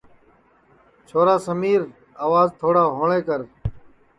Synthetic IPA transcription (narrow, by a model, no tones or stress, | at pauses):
t͡ʃʰoːɾaːsəmiːɾ | aːʋaːzt̪ʰoːɽaːɦoːɳẽːkəɾ